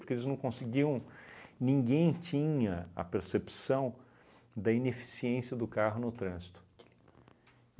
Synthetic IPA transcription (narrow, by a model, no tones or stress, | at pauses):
oɾkeelɪznɐ̃w̃kõsɪɡiɐ̃w̃nĩŋɡẽj̃t͡ʃĩɲɐɐ̰peɾsepsɐ̃w̃ | d̪ɐinefi̥siẽsiɐd̪ʊkaɦʊnʊt̪ɾɐ̃zit̪ʊ̥